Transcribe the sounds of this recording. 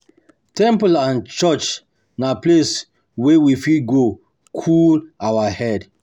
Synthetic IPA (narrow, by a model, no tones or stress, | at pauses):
tɛ̃mplãnt͡ʃɔt͡ʃ | naples | wewifidɡo | kʰulawahɛd